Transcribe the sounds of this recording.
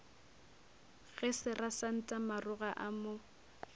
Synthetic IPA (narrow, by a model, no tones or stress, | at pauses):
ɣɛsɪrasan̩tʼamarʊɣaʔamʊ